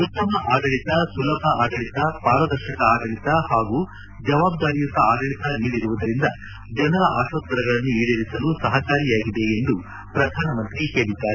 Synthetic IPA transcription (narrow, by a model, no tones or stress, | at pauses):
ut̪ːɐmɐʔaːɡɐɭit̪ɐsulɐbʱɐaːɡɐɭit̪ɐpaːɾɐd̪ɐɾʃɐkɐaːɡɐɭit̪ɐhaːɡuː | d͡ʒɐʋaːb̚d̪aːɾijut̪ːɐaːɡɐɭit̪ɐniːɽiɾuʋud̪ɐɾind̪ɐ | d͡ʒɐnɐɾɐʔaːʃʋɐt̪̚ːɐɾɐɡɐɭɐnːuiːɽɐɾisɐlusɐɦɐkaːɾijaːɡid̪e̞end̪u | pɾɐd̪ʱaːnɐmɐnt̪ɾihe̞ːɭid̪ːaːɾe